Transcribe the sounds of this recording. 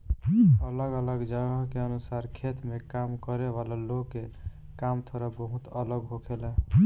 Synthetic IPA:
ələɡələɡd͡ʒəɡəɦkeənusaɾkʰet̪mekamkəɾeʋalaloɡkːe | kamt̪ʰoɾabəɦut̪ələɡɦokʰelɛ

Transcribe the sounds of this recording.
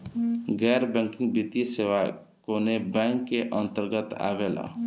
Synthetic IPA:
ɡɛɾbɛ̃ŋkɪ̃ŋɡbit̪iseʋa | koːnebɛ̃ŋkːeʔə̃nt̪əɾɡət̪a̰ːʋela̰

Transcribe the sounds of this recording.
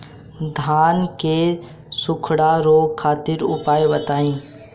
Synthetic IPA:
d̪ʱaːnke | sʊkʰɽaɾoːkʰaːt̪ɪɾʊpaːjebɐt̪aːĩː

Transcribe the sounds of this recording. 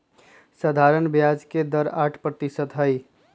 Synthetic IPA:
səd̪ʱaːɾənbjaːd͡ʒked̪əɾaːʈʰpɾət̪isət̪ɦəj

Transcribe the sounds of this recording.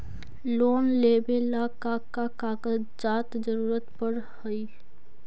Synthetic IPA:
loːnleːbelakakakaːkə | d͡ʒaːt̪d͡ʒəɾuːɾət̪pəɾ | həi

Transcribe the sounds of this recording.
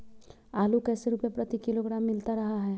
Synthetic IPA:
aːlukɛːseɾuːpepɾɐt̪ikɪloɡɾaːmːɪlt̪aɾɐɦaɦɛː

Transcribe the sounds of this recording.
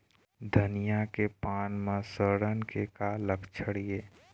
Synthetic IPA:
d̪ʱənijakepaːnmãsəɽənkekaləkʰt͡ʃʰəɽijeː

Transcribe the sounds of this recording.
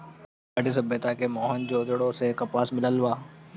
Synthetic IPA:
əɖisəbːət̪akemɔːɦənd͡ʒoːd̪ɽõsekapaːsmɪləlwaː

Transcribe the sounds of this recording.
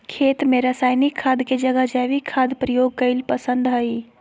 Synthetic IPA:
kʰeːt̪meɾəsaːjnikʰːaːd̪ked͡ʒəɡəd͡ʒaʋikʰːad̪pɾəjoɡ̚kəɪlpəsə̃nd̪ɦəi

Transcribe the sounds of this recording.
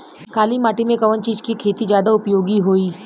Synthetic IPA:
kaːlimaːʈimẽkɐʋənt͡ʃiːzkikʰeːt̪izd͡ʒjaːd̪aʊpjoːɡiɦoːiː

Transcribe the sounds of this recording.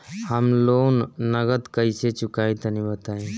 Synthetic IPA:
həmloːnːəɡət̪kəiset͡ʃʊkaːĩt̪ənĩbət̪aːẽː

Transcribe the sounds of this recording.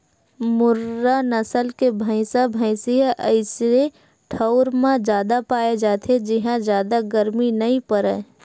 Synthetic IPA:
mʊɾanəsəlkebʱə̃ɪsabʱə̃ɪseɦʔəɪse | ʈʰəʊɾmãd͡ʒjaːd̪apaːed͡ʒaːt̪ʰed͡ʒɪɦãd͡ʒjaːd̪aɡəɾminɐĩpəɾɛ̰ː

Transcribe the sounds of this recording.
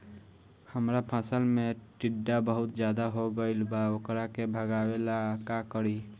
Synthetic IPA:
həmɾapʰasəlmeʈiɖːabəɦʊt̪d͡ʒjad̪aɦoɡəɪlbaokɾakebʱəɡawelakakəɾi

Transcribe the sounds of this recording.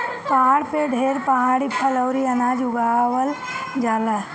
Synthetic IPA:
paːɽpeɖʱeɾpaːɽipʰələwɾiɐnaːd͡ʒʊɡaːwəl | d͡ʒaːla

